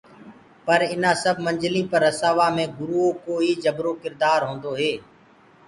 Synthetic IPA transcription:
pəɾɪnãːsəbʱmə̃ɲd͡ʒlĩːpəɾːəsaːʋaːmẽːɡʊɾuːoːkoːiːd͡ʒəbɾoːkɪɾd̪aːɾɦõːnd̪oːɦeː

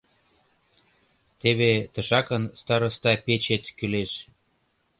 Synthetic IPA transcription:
t̪eβet̪ə̆ʃɑkənst̪ɑɾəst̪ɑpet͡ɕet̪kyleʃ

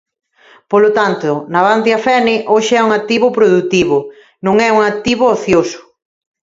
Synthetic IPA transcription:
polot̪ant̪ʊnaβant̪eafɛnɪʔoʃɪɛuŋak̚t̪iβʊpɾoðut̪iβʊ | nõŋɛuŋak̚t̪iβooθjosʊ̥

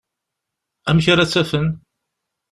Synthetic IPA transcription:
æmçaɾat͡sːæfən

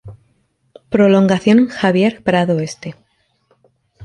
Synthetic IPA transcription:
pɾo̞lo̞ŋɡaθjo̞nxaβ̞je̞ɾpɾaðoest̪e

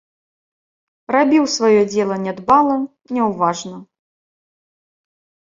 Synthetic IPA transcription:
rabʲiwsvajɔd͡zʲɛlˠɐnʲɛd̪balˠɐ | nʲɛwvaʐnɐ

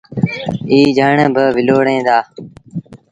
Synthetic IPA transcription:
iːd͡ʒʱəːɳəbəʋɪloːɽẽːd̪aː

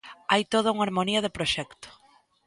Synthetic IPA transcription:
ajt̪oð̞auŋaɾmoniɐðepɾoʃɛkt̪o̥

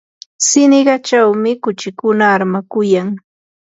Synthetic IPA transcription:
sɪnɪɢɑt͡ʃawmɪkʊt͡ʃɪkʊnaːɾmakʊjaŋ

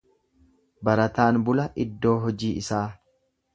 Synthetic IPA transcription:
bɐɾɐt̪aːnbʊlɐʔɪd̪ːo̞ːɦɔd͡ʒiːɪsaː

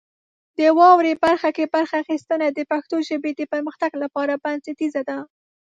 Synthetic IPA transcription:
d̪̥əwɑwɾebaɾxakebaɾxaːxist̪ənad̪əpaxt̪oʒəbed̪əpəɾməxt̪aɡlapɑɾabansɪt̪izad̪a

